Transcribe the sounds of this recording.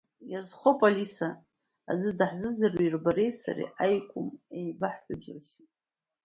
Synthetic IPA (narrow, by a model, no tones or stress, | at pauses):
jazχopʼolisa̰ː | d͡zʷɨdaħzɨd͡zarwairbaɾe̞jsa̰rḭʔajkʷʼʊmejbaħħʊd͡ʒɨrʃ